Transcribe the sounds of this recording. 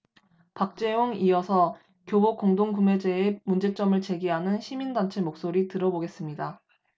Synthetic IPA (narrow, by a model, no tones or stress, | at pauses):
pak̚t͡ɕ͈e̞oŋiʌsʰʌ | kjobokoŋdoŋɡume̞d͡ʑe̞ːmund͡ʑe̞t͡ɕ͈ʌmɯɭt͡ɕe̞ɡiɦanɯnɕʰimindant͡ɕʰe̞mok̚s͈oɾitɯɾʌboɡe̞s͈ɯmɲida